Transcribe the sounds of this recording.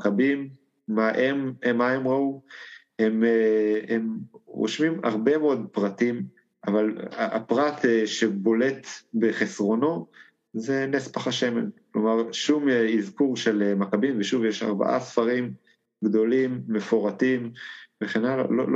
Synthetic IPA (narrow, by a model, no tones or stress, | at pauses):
kabimː | aʔememaemʁau | hemeemʁo̰ʃmima̰ʁbemeod̪̚pʁatim | ʔavalaapʁat̪eʃe̞bo̞le̞t̪beχesʁo̞no̞ | ze̞nespaχaʃeme̞̰nklo̞maʁʃumizkuʁʃelemakabimveʃuvjeʃa̰ʁba̰ʔa̰sfaʁim | ɡd̪o̞limːefoʁatimveχenala̰lo̰